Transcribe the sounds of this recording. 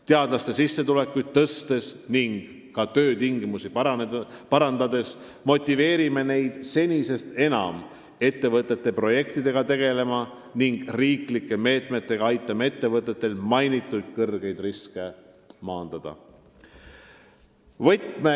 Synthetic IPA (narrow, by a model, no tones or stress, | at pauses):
t̪eɑd̪̥lɑst̪e̞sisːe̞t̪ule̞kːujd̪̚t̪ɤst̪e̞sniŋɡ̥ | kɑt̪ø̞ːt̪iŋɡimusipɑnpɑɾɑnd̪ɑd̪e̞s | mo̞t̪ʲːˑive̞ːɾime̞ne̞jd̪̥se̞nʲise̞st̪e̞nɑ̰m | e̞t̪ːe̞vɤt̪ːˑe̞t̪ːe̞pro̞je̞k̚t̪id̪e̞ɡ̥ɑt̪e̞ɡ̥e̞le̞mɑ | niŋɡ̥riːklikːˑe̞me̞ːt̪met̪ːˑe̞ɡ̥ɑɑjt̪ˑːɑme̞t̪ːe̞vɤt̪ˑːe̞t̪ːˑe̞lmɑjnit̪ːˑud̪̥kɤrɡ̥e̞jd̪̥riske̞ | mɑːnd̪̥ɑd̪̥ɑ̰ | vɤjt̪me